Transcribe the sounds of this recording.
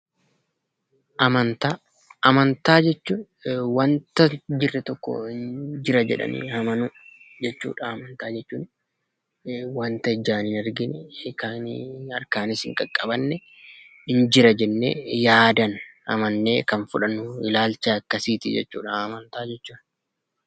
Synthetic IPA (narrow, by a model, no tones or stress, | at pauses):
ʔɐmɐnt̪aː | ʔɐmɐnt̪aːd͡ʒɛt͡ʃːun | wɐnt̪ɐd͡ʒɪrːɛt̪ɔkːɔ̰ɪnd͡ʒɪɾɐd͡ʒɛ̰ᶑɐ̰nḭːhɐmɐnʊd͡ʒɛt͡ʃːṵːᶑɐɐmɐnt̪aːd͡ʒɛt͡ʃːuːn | wɐnt̪ɐɪd͡ʒːaːnɪnɐɾɡɪnɛeːkaːnɐɾkaːnɪsɪŋkʼɐkʼːɐbɐnːɛ | ɪnd͡ʒɪɾɐd͡ʒɛnːḛːjaːd̪ɐnɐ̰mɐnːeːkɐnfʊᶑɐnːʊɪlaːlt͡ʃɐɐkːɐsiːt̪ɪd͡ʒɛ̰t͡ʃːṵːᶑɐːmɐnt̪aːd͡ʒɛt͡ʃːuːn